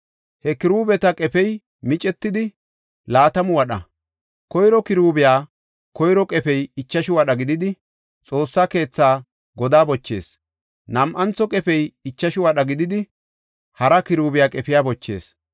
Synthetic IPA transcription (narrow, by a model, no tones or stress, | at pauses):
hɛkɪɾuːbɛt̪ɐkʼɛpɛj | mɪt͡ʃʼɛt̪ːɪd̪ɪ | laːt̪ɐmʊwɐɗɐ̰ | kɔjɾɔkɪɾuːbɪjaː | kɔjɾɔkʼɛpɛjɪt͡ʃːɐʃɪwɐɗɐɡɪd̪ɪd̪ɪ | t͡sʼo̞ːsːaːke̞ːt͡sːaː | ɡɔd̪aːbɔt͡ʃːe̞̰ːs | nɐmʔɐnt͡sːɔkʼɛpɛjɪt͡ʃːɐʃɪwɐɗɐɡɪd̪ɪd̪ɪ | hɐɾɐkɪɾuːbɪjaːkʼɛpɪjaːbɔt͡ʃːe̞̰ːs